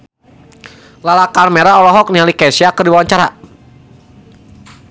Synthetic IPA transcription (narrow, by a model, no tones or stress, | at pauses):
lalakarmeɾaɔlɔɦɔk̚nialikɛsiakədiwawaɲt͡ʃaɾa